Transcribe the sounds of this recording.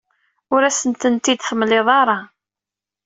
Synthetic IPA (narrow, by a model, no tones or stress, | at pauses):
ʊɾæsənt̪ənt̪ːid̪θəmːlɪðˤɑɾˤɑ